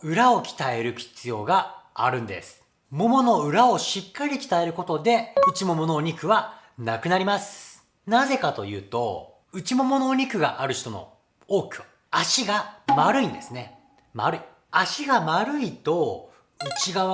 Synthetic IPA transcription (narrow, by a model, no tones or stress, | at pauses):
ɯ̟ɾao̞kʲi̥t̪ae̞ɾɯ̟çʲi̥t͡sɨjo̞ːɡaːɾɯ̟̃nd̪e̞̰sɨ̥ | mo̞mo̞no̞ɯ̟ɾao̞ɕikːaɾʲikʲi̥t̪ae̞ɾɯ̟ko̞t̪o̞d̪e̞ɯ̟t͡ɕimo̞mo̞noːɲ̟ikɯ̟βanakɯnaɾʲimasɨ̥ | naze̞kat̪o̞̰jɯ̟ːt̪o̞̰ | ɯ̟t͡ɕimo̞mo̞noːɲ̟ikɯ̟ɡa̰ʔaɾɯ̟ç̥t̪o̞no̞̰ | oːkʲiβa | aɕiɡamaɾɯ̟ĩnd̪e̞sɨne̞ | ma̰ɾɯ̟i | aɕiɡamaɾɯ̟it̪o̞ | ɯ̟t͡ɕiɡaβ